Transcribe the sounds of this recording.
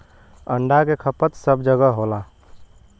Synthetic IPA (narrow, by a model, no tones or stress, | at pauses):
əɳɖakekʰəpət̪səbd͡ʒəɡəɦola